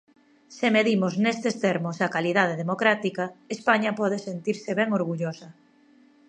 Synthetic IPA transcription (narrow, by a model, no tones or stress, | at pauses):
semeðimoznest̪est̪eɾmosakalið̞að̞eðemokɾat̪ikaespaɲapɔð̞esent̪iɾseβɛŋoɾɣuʎosɐ